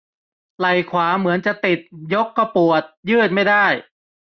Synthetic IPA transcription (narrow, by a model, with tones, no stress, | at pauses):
la˨˩jkʰwaː˩˦mɯ˩˦ənt͡ɕa˨˩t̪i˨˩t̪̚jo˦˥kːa˧pu˨˩ət̪̚jɯː˥˩t̪̚ma˥˩jda˥˩j